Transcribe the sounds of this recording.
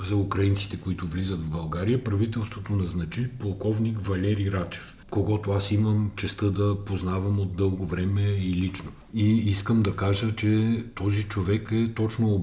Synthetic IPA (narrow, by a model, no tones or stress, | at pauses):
zɐukɾɐinsi̥t̪ɛkoit̪ʊvlizət̪vbɐlˠɡaɾijəpɾɐvit̪ɛlˠst̪vot̪onɐznɐt͡ʃipolˠkɔvnikvɐlɛɾiɾat͡ʃɛ̥f | koɡɔt̪oasiməmt͡ʃɛst̪ɤd̪ɐpoznavɐmod̪d̪ɤlˠɡovɾɛmɛilit͡ʃno | iiskəmd̪ɐkaʒət͡ʃɛt̪ɔzit͡ʃovɛkɛt̪ɔt͡ʃno